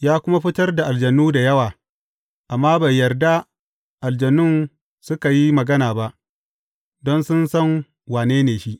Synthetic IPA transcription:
jaː˦kʷʊ˦ma˦ɸɪ˦tɐ˦rda˨ʔa˨ld͡ʒɐ˨nuː˦da˨jɐ˦waː˨ | ʔa˨mːaː˦bɐ˨jːɐ˨rda˦ | ʔa˨ld͡ʒɐ˨nʊ˦n | sʊ˦ka˨ji˦mɐ˨ɡɐ˦naː˨ba˦ʔ | dɔ˦nsʊ˦nsɐ˦ŋ | waː˨neː˦neː˨ʃi˦ʔ

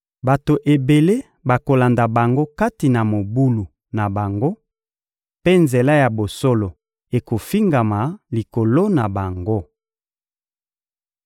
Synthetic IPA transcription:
ba˨to˨ʔe˨be˨le˦ | ba˨ko˨la˨nda˨ba˨ŋɡo˦ka˦ti˨na˨mo˨bu˦lu˨ | na˨ba˨ŋɡo˦ | pe˦nze˨la˦ja˨bo˨so˦lo˨ | e˨ko˨fi˦ŋɡa˨ma˨li˨ko˨lo˦na˨ba˨ŋɡo˦

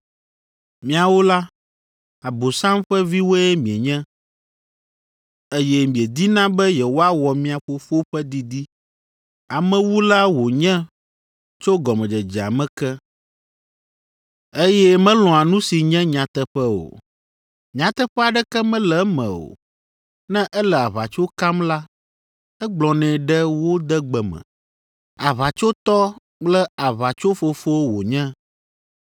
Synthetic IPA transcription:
mĩ˦a˨wo˦la˦ | a˨bo˨sã˦mɸɛ˦vi˦wo˦ɛ˦mĩ˨e˨ɲɛ̃˦ | e˦jɛ˦mĩ˨e˨d̪i˦nã˦bɛ˦jɛ˨wo˦a˦wɔ˨mĩ˦a˨ɸo˨ɸo˦ɸɛ˦d̪i˦d̪i˦ | a˨mɛ̃˦wu˦la˦wo˨ɲɛ̃˦ | t͡ʃo˦ɡɔ˨mɛ̃˨d͡ʒɛ˨d͡ʒɛ˨a̰˨mɛ̃˦kɛ˦ | e˦jɛ˦mɛ̃˦lɔ̃˨a˨nũ˦si˨ɲɛ̃˦ɲã˨t̪ɛ˦ɸɛ˦o̰˨ | ɲã˨t̪ɛ˦ɸɛ˦a˨ɖɛ˦kɛ˦mɛ̃˦lɛ˨˦mɛ̰̃˨o̰˨ | nɛ̃˦ʔɛ˦lɛ˨a˨βa˨t͡ʃo˦ka˦mla˦ | ɛ˦ɡ͡blɔ̃˨nɛ̃˨ɖɛ˦wo˦d̪ɛ˦ɡ͡bɛ˨mɛ̰̃˨ | a˨βa˨t͡ʃo˦t̪ɔ˦ | k͡plɛ˦a˨βa˨t͡ʃo˦fo˦fo˦wwo˨ɲɛ̃˦

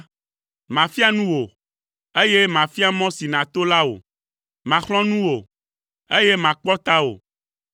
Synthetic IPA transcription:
mã˨fi˦a˦nũ˦wo˨ | e˦je˦mã˨fi˦a˦mɔ̃˦si˨nã˨t̪o˦la˦wo̰˨ | mã˨xlɔ̃˦nũ˦wo˨ | e˦je˦mã˨k͡pɔ˦t̪a˦o̰˨

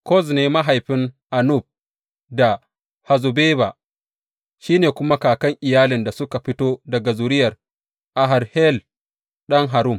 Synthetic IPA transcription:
kɔ˦˨zneː˦ma˦ɦa˨jɸɪ˦nʔa˨nʊ˦˨ɸ̚ | da˨ | ha˨zu˨beː˦ba˨ | ʃiː˦neː˨kʷʊ˦ma˦kaː˨kɐ˦ŋʔɪ˨jaː˦lɪ˨nda˨sʊ˦ka˨ɸɪ˦toː˦dɐ˨ɡa˨zʊ˨ɾɪ˦jɐ˨r | ʔa˨ɦa˨ɾhɛ˦l | ɗɐ˦ŋɦa˨ɾʊ˦˨m

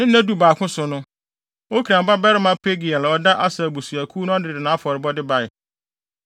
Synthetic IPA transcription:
nɪ̃˦n̩˦æ̃˦du˨˦baː˨kʰʊ̃˦sʊ˨nʊ̃˦ | o˦kʰi˨ɾã˨m˨ba˦bɛ˦ɾɪ˦mã˦pʰe˦ɡi˨a˨lɔ˨da˦ʔa˦sɛ˨bu˨su˨æ˨kʰuː˦nʊ̃˦dɪ˨dɪ˨nã˨˦a˦fɔ˨ɾɪ˨bɔ˦dɪ˦ba˨ɪ˨

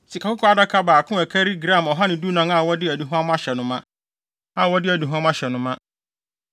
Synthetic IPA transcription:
si˨kʰa˨kʊ˦kʰɔ˦a˦da˦kʰa˦baː˨kʰʊ̃˦ɛ˨kʰæ˦ɾi˦ɡɾã˦˨mɔ˨ɦa˦nɪ̃˨du˦nã˨˦ŋa˨wɔ˦dɪ˦æ˨di˨ɦʊ̃˦ã˦m˦a˦ɕɛ˨nʊ̃˦mã˦ | a˦˨wɔ˦dɪ˦æ˨di˨ɦã˦ma˦ɕɛ˨nʊ̃˦mã˦

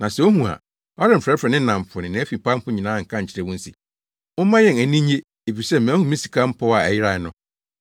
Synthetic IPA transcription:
nã˨sɛ˨o˦ɦũ˨a̰˨ | ɔ˦ɾɪ̃˦˨m̩˨fɾɛ˨˦fɾɛ˨nɪ̃˦n̩˦nã˨m˨pʰʊ˨nɪ̃˨nã˨˦fi˨m˨pa˦m̩˦pʰʊ˦ɲĩ˨nãː˨˦˨ŋ̩˨kʰã˦ɲ̩˨t͡ɕʰɪ˦ɾɛ˦˨wʊ̃˦n̩˦sḭ˨ | ʊ̃˦mã˦jɛ̃˨næ˨nĩ˦ɲe˦ | e˨fi˨sɛ˦mæ̃˨˦hũ˦mĩ˦si̥˨kʰa˦m̩˦pʰɔ˦wa˨æ̰˨jɪ˦ɾa˨˦nʊ̃˦

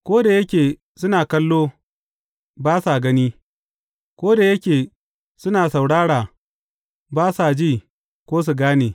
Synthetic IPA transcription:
kʷoː˦da˨jɐ˦kʲeː˨ | sʊ˦naː˨kɐ˦lːoː˦ | baː˦sa˨ɡɐ˦niː˦ | kʷoː˦da˨jɐ˦kʲeː˨ | sʊ˦naː˨sa˨wɽaː˦ɽaː˨ | baː˦sa˨d͡ʒiː˦˨ | kʷoː˦s̬u˨ɡaː˦neː˨

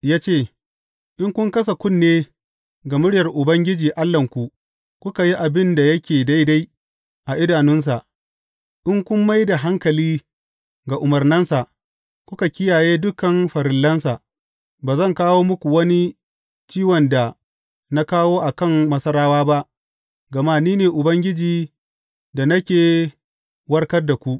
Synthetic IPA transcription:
jaː˦t͡ʃeː˦˨ | ʔɪ˦ŋkʷʊ˦ŋkɐ˦sa˨kʷʊ˦nːeː˦ | ɡa˨mʊ˦ɽɪ˦jɐ˨rʔʊ˨bɐ˦ŋɡʲɪ˦d͡ʒiː˨ʔa˦lːɐ˨ŋkʷu˨ʔ | kʷʊ˦ka˨ji˦ʔa˨bɪ˦nda˨jɐ˦kʲeː˨da˦jda˦j | ʔa˨ʔɪ˦daː˨nɪ˦ns̬a˨ʔ | ʔɪ˦ŋkʷʊ˦mːa˦jda˨ɦa˦ŋkɐ˨liː˦ | ɡa˨ʔʊ˨mɐ˨rnɐ˦nsa˨ʔ | kʷʊ˦ka˨kʲɪ˦jaː˨jeː˦dʊ˦kɐ˨mɸɐ˨ɾɪ˨lːɐ˦nsa˨ʔ | baː˨zɐ˦˨ŋkaː˦woː˦mʊ˦kʷu˨wɐ˦ni˦ | t͡ʃiː˦wɔ˨nda˨ | na˦kaː˦woː˦ʔa˨kɐ˦˨ŋmɐ˦sɐ˦ɾaː˦waː˦ba˦ʔ | ɡɐ˨maː˦niː˦neː˨ʔʊ˨bɐ˦ŋɡʲɪ˦d͡ʒiː˨ | da˨nɐ˦kʲeː˨ | wɐ˦rkɐ˦rda˨kʷu˦ʔ

